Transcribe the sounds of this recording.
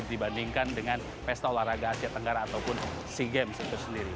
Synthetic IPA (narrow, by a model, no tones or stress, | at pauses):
k̚dibandiŋkandəŋan | fɛst̪aolaraɡaːsiat̪əŋɡaɾaːt̪awpʊn | siɡɛms̚t̪ʊsəndiɾi